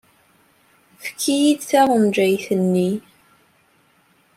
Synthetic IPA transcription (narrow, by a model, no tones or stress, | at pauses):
fkʰːijid̪θæʁˤənd͡ʒæjθənːi